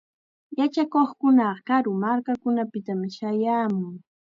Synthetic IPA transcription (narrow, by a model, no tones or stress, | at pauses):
jat͡ʃakoχkʊnɑɢɑkaɾʊmaɾkakʊnapɪt̪amɪʃajaːmʊŋ